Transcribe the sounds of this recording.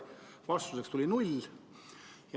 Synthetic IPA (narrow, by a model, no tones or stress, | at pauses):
vɑst̪use̞kst̪ulʲinulʲ | j